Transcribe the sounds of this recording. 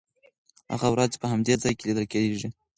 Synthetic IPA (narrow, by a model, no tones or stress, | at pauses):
ha̰ɣawɾɑzpəhamd̪ed͡zɑjkelid̪əlkeeʐi